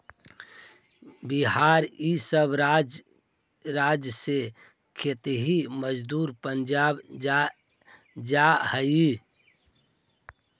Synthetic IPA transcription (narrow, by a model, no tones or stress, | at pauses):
biɦaɾisəbɾd͡ʒ | ɾad͡ʒjəse | kʰet̪ɦiməd͡ʒd̪uːɾpənd͡ʒab | d͡ʒahəi